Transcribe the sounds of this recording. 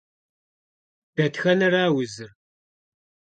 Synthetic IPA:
b̥æt̪çænaɾawəzəɾ

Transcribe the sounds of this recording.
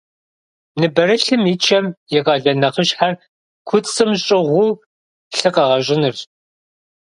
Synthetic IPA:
nɨbɐɾɨɬɨmit͡ʃʰɐmjɛʁɑːɮɐnɐχəɕħar | kʷʰʊt͡sʼɨmɕʼɪʁʷʊ | ɬɨqɐʁɐɕʼɪnɨr

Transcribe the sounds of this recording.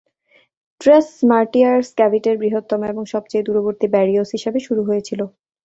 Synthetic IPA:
ʈɾesmaɾʈiaɾskɛbiʈeɾbɾiɦot̪ːomoeboŋʃɔb̚t͡ɕejd̪uɾoboɾt̪ibɛɾiosɦiʃebeʃuɾuɦojet͡ɕʰilo

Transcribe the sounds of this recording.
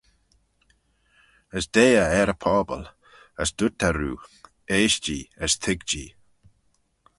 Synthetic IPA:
əsd̪eːəɛɾəpʰɔːbə̰l | ə̰sd̪̥ʊt̪aɾuː | eːʃt͡ʃiːəst̪ʰɪɡd͡ʒiː

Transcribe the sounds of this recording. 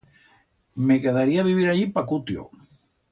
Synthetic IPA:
mekeðaɾiaβiβ̞iɾaʎipakut̪jo̰

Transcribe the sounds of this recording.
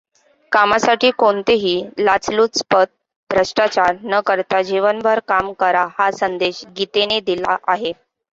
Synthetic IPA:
kamasaʈiːkoɳt̪eɦiːlat͡sluːspət̪̚ | bʱɾəʂʈat͡ɕaɾnəkəɾt̪ad͡ʑeʋənbʱəɾkamkəɾahasənd̪eɕɡit̪ened̪ila̰ʔaɦe

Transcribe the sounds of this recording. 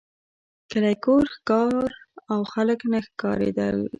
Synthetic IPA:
kəlajkoɾxkɑɾawxaləknəxkɑɾḛd̪ə̰l

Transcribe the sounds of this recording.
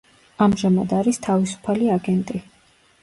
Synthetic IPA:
amʒamad̪aɾist̪ʰavisu̥pʰaliaɡɛnt̪ʼi

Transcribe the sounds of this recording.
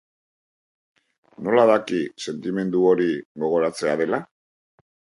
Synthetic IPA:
no̞laðakise̞nt̪ime̞nd̪uo̞ɾiɣo̞ɣ̞o̞ɾat͡se̞aðe̞la

